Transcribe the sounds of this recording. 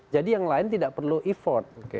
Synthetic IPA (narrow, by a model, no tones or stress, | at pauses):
d͡ʒadijaŋlaɪnt̪idaʔpərluʔifɔt̪̚okḛ